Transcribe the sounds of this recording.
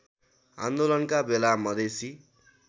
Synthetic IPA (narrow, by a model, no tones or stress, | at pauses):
a̰nd̪olʌnkabelamʌd̪esi